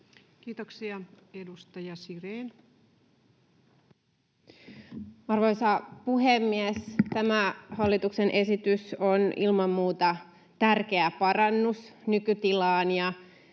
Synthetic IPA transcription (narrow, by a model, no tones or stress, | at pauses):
kiːt̪oksiɑ | edust̪ɑjɑsireːn | ɑrʋoisɑpuɦemːiest̪æmæhɑlːit̪uksenʔe̞sit̪ysonʔilmɑmːuːt̪ɑ | t̪ærk̟eæpɑrɑnːusnykyt̪ilɑːnjɑ